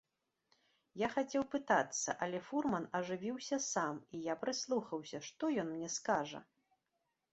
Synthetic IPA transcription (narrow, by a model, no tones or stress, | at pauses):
jaxat͡sʲɛwpɨt̪at̪sːɐ̰ʔɐlʲɛfurmɐnɐʐɨvʲiwsʲɐsamijapɾɨslˠuxɐwsʲɐʂt̪ɔjɔnmnʲɛskaʐɐ̰